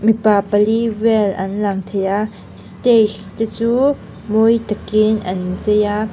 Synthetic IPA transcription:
mipapalivɛlʔɐnlaŋt̪ʰɛja | stet̪it͡suː | mojt̪akɪnʔɐnzɛja

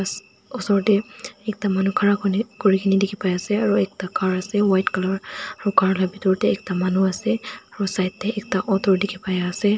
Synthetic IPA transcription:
a | ɔsɔɹtɛɛk̚tamanukʰaɹakɔnikoɹikʰinidikʰipajasɛaɹuɛk̚takaɹasɛwajtkalɔɹaɹukaɹlabitɔɹtɛːk̚tamanuasɛaɹusajtːɛːk̚taʔɔtʰɔɹdikʰipajaːsɛ

